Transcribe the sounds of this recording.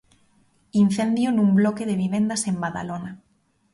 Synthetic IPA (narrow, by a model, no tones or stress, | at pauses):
in̟θend̪jonumblokeðeβ̞iβ̞end̪asembaða̰lona